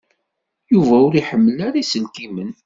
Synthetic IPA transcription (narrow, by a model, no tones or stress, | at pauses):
juvæʊɾiħəmːəlæɾisəlkimən